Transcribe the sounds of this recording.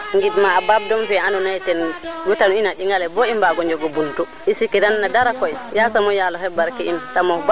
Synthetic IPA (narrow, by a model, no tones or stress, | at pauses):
ŋɡidmaːbab̚dɔmfɛanɔnajtɛnɡutanuinaɗiŋɡalɛbɔimbaɡɔɲd͡ʒɔɡɔbultu | isikɛdanːadaɾakɔjjasamɔjalɔhɛbaɾkɛintamɔb